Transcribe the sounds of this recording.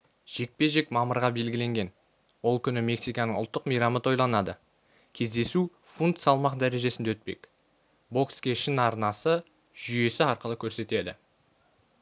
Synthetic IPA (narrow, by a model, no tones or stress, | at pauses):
ʒ̥e̞k̚pe̞ʒe̞kmɑməɾʁɑbe̞lɡʲɪle̞ŋɡʲe̞n | wo̞lˠkʲʰʏnɪme̞ksijkɑnəɴʊlˠt̪ːəqmijɾɑmət̪ʰo̞jlˠɑnɑd̪ə | kʲʰe̞zd̪e̞su | funt̪sɑlˠmɑqd̪æɾe̞ʒe̞sɪnd̪eɵt̪̚pe̞̰k | bo̞kskʲe̞ʃɪnɑɾnɑsə | ʒ̥ʏje̞sɪɑɾqəlˠəkʲʰɵɾse̞t̪e̞d̪ɪ̰